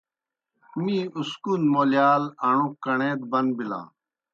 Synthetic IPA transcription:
mĩːuskuːnmoːljaːlɐɳũkɐɳẽːd̪̚bɐnbilã̰ː

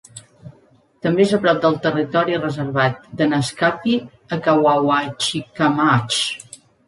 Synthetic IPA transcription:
t̪əmbeezəpɾɔp̚d̪əlˠt̪ərit̪ɔɾirəzəɾβat̪̚d̪ənəskapi | əkawawat͡ʃikamat͡ʃ

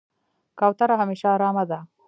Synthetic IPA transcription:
kawt̪aɾaɦameːʃaːɾɑːmad̪a

